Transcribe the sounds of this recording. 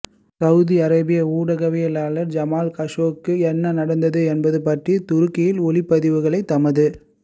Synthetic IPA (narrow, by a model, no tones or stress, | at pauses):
sɐʊðiɐɾɐbɪjɐuːɽɐɣɐʋɪjɐlaːlɐɾd͡ʒɐmaːlkɐʂoːkːɯɛnːɐnɐɽɐnd̪ɐðɯɛnbɐðɯpɐʈrit̪ʊɾɯkːɪjɪlɔlɪpːɐðɪʋɯɣɐɭɐɪt̪ːɐmɐðɯ